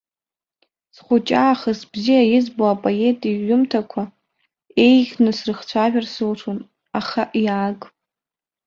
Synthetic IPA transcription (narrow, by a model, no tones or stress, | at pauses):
sχʷʊt͡ʃʼaːχəsbzijajɪzboapʼoe̞tʼiʒʊmtʰakʷʰa | e̞jɡʲnɨsrɨχt͡ɕʷʰaʒᶣarsɨlʈ͡ʂʰun | aχaʔjaːkʼ